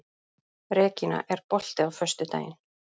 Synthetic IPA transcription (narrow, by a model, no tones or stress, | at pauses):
ɾɛːcɪna̰ʔɛɾ̥pɔl̥t̪ɪawfœst̪ʏt̪a̰ːjɪn